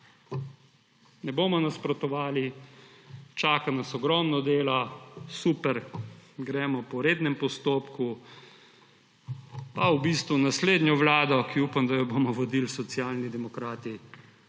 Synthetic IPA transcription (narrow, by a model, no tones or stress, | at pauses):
nɛbomɔnaspɾɔt̪ɔʋaːli | t͡ʃaːkanasɔɡɾɔmnɔd̪eːlasupɛɾɡɾɛmɔpɔɾeːd̪nɛmpɔst̪oːpku | pawbist̪ʋunasleːd̪njɔʋlaːd̪ɔkiupamd̪ajɔbomɔʋɔd̪ilsɔt̪sjaːlnid̪ɛmɔkɾaːt̪i